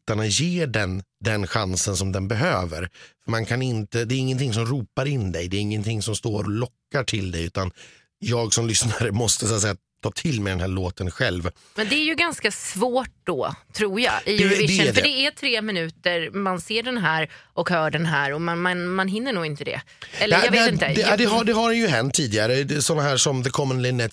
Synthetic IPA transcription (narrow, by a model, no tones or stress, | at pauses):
t̪aɳajeːɖɛnd̪ɛnɧansənsɔmd̪ɛnbɛɦøːvə̰ɾfœɾmankʰanɪnt̪əd̪ɛːɾɪŋːənt̪ʰɪŋs̬ɔmɾuːpaɾɪnːd̪ɛjd̪ɛːɾɪŋːənt̪ʰɪŋsɔmst̪oːɾɔlɔkːaʈʰɪld̪ɛjʉ̟ːt̪an | jɑːɡsɔmlʏsnaɾəmɔst̪əsʊat̪sɛjːa | t̪ʰɑːt̪ʰɪlmɛd̪ɛnɦæːɭoːt̪ənɧɛlv | mɛnd̪ɛːɾjɵɡanskasvoːʈ̚d̪ɔt̪ʰɾuːjaɪɛd̪ɛdɛɖɛæt̪ʰɾeːmɪnʉ̟ːt̪əɾmanseːɖɛnɦæːɾɔkhœːɖɛnɦæːɾɔmanmanmanɦɪnːəɳuːɡɪnt̪əd̪ɛ̰ | ɛlːɛjeɛɪnad̪ɛɦaɖ̪ɛɦaɖɛjɵɦɛnt̪ʰːiːd̪ɪɡaɾəd̪ɛsɔnːaɦæːʂɔmd̪ɛkʰɔmːənlɪnːɛt̪